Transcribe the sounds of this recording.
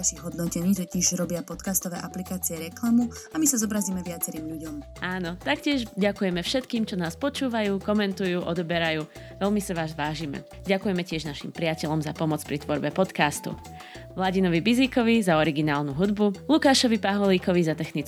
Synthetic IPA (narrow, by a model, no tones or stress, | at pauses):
aʃiɣɦɔd̪nɔcɛɲiːt̪ɔcɛʒɾɔbɪapɔt̪kaːst̪ɔʋɛːʔaplikaːt͡siɛɾɛklamuamisazɔbɾaziːmɛʋɪat͡sɛɾiːmʎuɟɔm | ʔaːnɔt̪akcɪɛʒɟakujɛmɛfʃɛt̪kiːmt͡ʃɔnaːspɔt͡ʃuːʋajuːkɔmɛnt̪ujuːʔɔd̪ɔbɛɾajuː | ʋɛlmisaʋaːʒʋaːʒiːmɛ̰ | ɟakujɛmɛcɪɛʒnaʃḭmpɾɪacɛʎɔmzapɔmɔt͡spɾit̪ʋɔɾbɛpɔt̪kaːst̪ṵ | ʋlaɟinɔʋibiziːkɔʋizaɔɾiɡinaːlnuɦud̪bulukaːʃɔʋipaɦɔliːkɔʋizat̪ɛxnit͡s